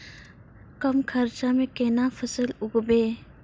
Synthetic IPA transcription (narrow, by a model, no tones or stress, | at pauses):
kɐmkʰɐɾt͡ʃamẽkeːnafʰəsəlʊɡbeː